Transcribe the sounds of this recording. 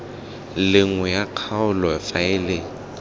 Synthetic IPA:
lɪŋwɛjaq͡χʰaʊlɔɛfaɪlɪŋ̩

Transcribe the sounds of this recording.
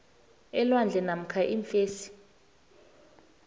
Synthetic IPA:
ɛlwand͡ɮʱɛnam̩kʰaʔiɱfeːsi̥

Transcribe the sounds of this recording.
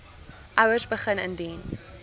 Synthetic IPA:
ʔawəzbəχənə̃ndiːn

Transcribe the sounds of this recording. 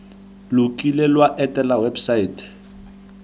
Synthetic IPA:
lʊkʼilelwaʔɛtʼɛlawebsaiːtɛ̥

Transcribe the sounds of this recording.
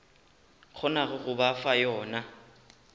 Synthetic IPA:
q͡χʰɔnaɣʊɣʊbafajɔːna

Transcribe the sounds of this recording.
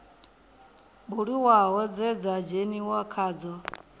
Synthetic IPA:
buɺiwaɦɔd͡zɛd͡zad͡ʒeniwakʰaːd͡zɔ

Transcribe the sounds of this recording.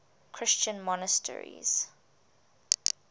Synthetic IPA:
kʰɹ̥ɪst͡ʃə̃nmɔnəstʰɛ̰ɹḭz̥

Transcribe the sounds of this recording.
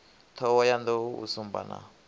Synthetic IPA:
t̪ʰɔwɔjand̪ɔṵsumba̰na̰

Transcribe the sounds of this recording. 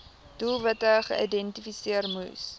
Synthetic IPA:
d̥ulˠvɐtəχəʔḭdɛntifisiərmṵs

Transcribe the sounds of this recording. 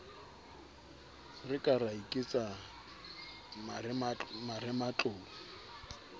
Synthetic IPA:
rɪkʼaraikʼit͡sʼa | marɛmat͡ɬʼʊːlɔ

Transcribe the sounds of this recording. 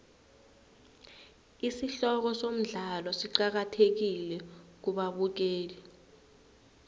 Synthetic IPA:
isiɬɔk̬ɔsom̩ɮalɔsiǃak̬atʰek̬ilɛk̬uɓaɓuk̬eːlɛ

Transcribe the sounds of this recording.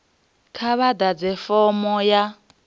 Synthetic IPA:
kʰaβad̪ad͡zɛfɔmɔja

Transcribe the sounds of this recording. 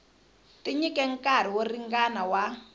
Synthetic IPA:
tʼiɲikʼɛŋ̩kʼaɾ̤iworiŋɡanawa

